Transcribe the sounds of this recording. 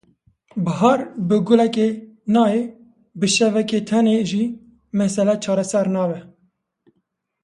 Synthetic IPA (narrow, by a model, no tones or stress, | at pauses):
bɨɦɑɾbɨɡʊlɛkenɑːe | bɨʃɛvɛket̪ʰɛneʒiː | mɛsɛlɛt͡ʃʰɑːɾɛsɛɾnɑːvɛ